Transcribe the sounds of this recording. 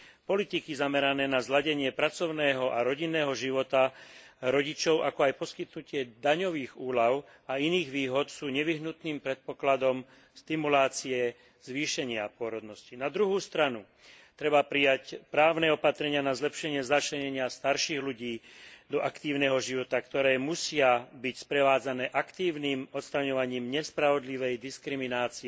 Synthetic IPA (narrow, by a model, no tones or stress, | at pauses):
pɔlit̪ikizamɛɾanɛːnazlaɟɛɲɪɛpɾat͡sɔʊnɛːɦɔʔaɾɔɟinːɛːɦɔʒiʋɔt̪aɾɔɟit͡ʃɔʊʔakɔajpɔskit̪nucɪɛd̪aɲɔʋiːɣuːlaʊ | ainiːɣʋiːɦɔt̪suːɲɛʋiɦnut̪niːmpɾɛt̪̚pɔklad̪ɔm | st̪imulaːt͡siɛ | z̥ʋiːʃɛɲɪapʊɔɾɔd̪nɔscinad̪ɾuɦuːst̪ɾanu | t̪ɾɛbapɾijacpɾaːʊnɛɔpat̪ɾɛɲɪanazlɛpʃɛɲɪɛzat͡ʃlɛɲɛɲɪast̪aɾʃiːɣluɟiːd̪ɔʔakt̪iːʊnɛɦɔʒiʋɔt̪akt̪ɔɾɛːmusɪabicspɾɛʋaːd͡zanɛːʔakt̪iːʊniːmɔt̪st̪ɾaɲɔʋaɲiːmɲɛspɾaʋɔd̪liʋɛjd̪iskɾiminaːt͡si